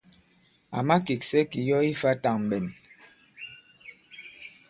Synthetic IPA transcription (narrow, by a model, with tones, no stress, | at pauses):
a̰˨ma˦ki˨k̚sɛ˦ki˨jɔ˦i˦fa˦ta˨ŋm˨bɛ˨n